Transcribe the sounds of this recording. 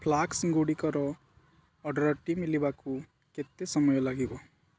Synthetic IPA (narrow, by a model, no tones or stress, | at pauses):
pʰlaksɡoɽikʌɾɔ | ʌɖʌɾɔʈimilibaku | ket̪esʌmɔjɔlaɡibʌ